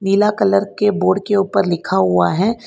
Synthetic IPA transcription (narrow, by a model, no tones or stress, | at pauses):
niːlakɐləɾkeboːɾɖkeuːpəɾlɪkʰaɦʊaɦɛː